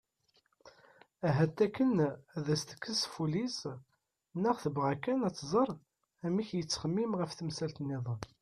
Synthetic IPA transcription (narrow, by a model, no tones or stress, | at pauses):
æɦæt̪ːækːənæðæst̪ə̥kːəsfulis | nːəʁθəbʁækænæt͡sːzˤəɾˤ | æmiçjət͡sːχəmːimʁəfθəmsælt̪nːɪðˤ